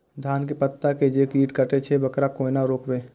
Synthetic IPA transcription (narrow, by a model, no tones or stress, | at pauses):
d̪ʱaːnk̬epət̪ːaked͡ʒeːkiːʈkəʈet͡ʃʰebɐkɾakoːinaɾoːkbeː